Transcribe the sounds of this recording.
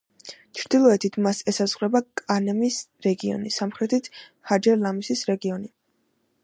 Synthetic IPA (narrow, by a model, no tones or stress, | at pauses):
t͡ʃʰɾd̪̥ilˠɔɛt̪ʰit̪ʰmasɛsazʁwɾɛbakʼanɛmisɾɛɡiɔ̰nisamχɾɛt̪ʰit̪ʰ | had͡ʒɛlamisisɾɛɡiɔni